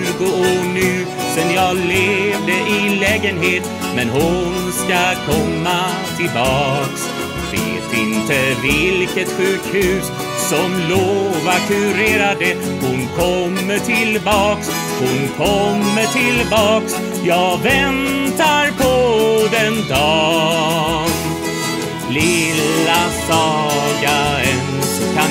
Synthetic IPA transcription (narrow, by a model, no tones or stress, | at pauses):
ɡʊɔnʉː | sɛnjɑːleːvd̪əʔɪlɛːɡənɦeːt̪ | mɛnɦʊnskakʰɔmːa | t̪ʰɪlbɑːks | sḛ | t̪ɪnt̪əɾɪlkət̪ɧʉkhʉ̟ːs | sɔmloːvakʉɾeːɾad̪ə | hʊnkʰɔmːəʈʰɪlbɑːks | hʊnkʰɔmːəʈʰɪlbɑːks | jɑːɡvɛnt̪aɾpʰɔd̪ɛnd̪ɑ | ɡ | lɪlːasɑːɡaənkʰa